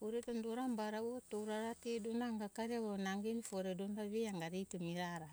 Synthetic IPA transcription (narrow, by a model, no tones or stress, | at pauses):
oɾetondoɾambaɾauotowɾaɾatedonaŋɡakaɾeβonaŋɡenfoɾedonɾaβeaŋɡaɾejtomiɾaɾa